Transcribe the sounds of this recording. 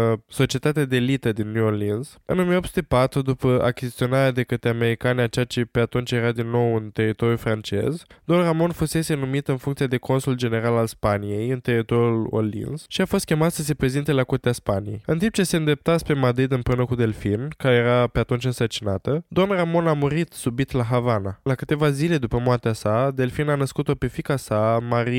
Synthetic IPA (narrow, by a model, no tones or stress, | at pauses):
so̞t͡ʃie̞t̪at̪ead̪elit̪əd̪inːjuolinz | ɨ̰no̞mijeopsu̥t̪epat̪ɾud̪upəʔa̰kʲizit̪sio̞naɾead̪e̞kət̪ɾeame̞ɾikaneat͡ʃeat͡ʃepe̞at̪unt͡ʃje̞ɾad̪inːo̞wɨnt̪e̞rit̪o̞ɾjufɾant͡ʃe̞̰zd̪o̞nramo̞nfuse̞se̞numit̪ɨnfuŋkt̪siad̪e̞ko̞nsuld͡ʒe̞ne̞ɾalalspanije̞jɨnt̪e̞rit̪o̞ɾjulo̰lḭnsʃiafo̞st̪̚kʲemat̪səs̬e̞pɾe̞zint̪e̞lakurt̪easpanijejɨnt̪imb̚t͡ʃe̞se̞ɨnd̪ɾe̞p̚t̪aspe̞mad̪ɾid̪ɨmpɾeunəkud̪e̞lfinkaɾejeɾape̞at̪unt͡ʃɨnsərt͡ʃinat̪əd̪o̞nramo̞namuɾit̪subit̪laɦavanalakɨt̪e̞vazile̞d̪upəmoart̪easad̪e̞lfinanəskut̪o̞pe̞fikasamaɾi